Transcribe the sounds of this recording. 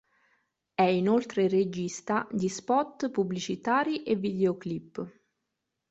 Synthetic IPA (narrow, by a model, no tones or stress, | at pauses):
ɛinolt̪ɾered͡ʒist̪ad̪ispɔt̪ːpubːlit͡ʃit̪aːɾiʔevːid̪eoklipː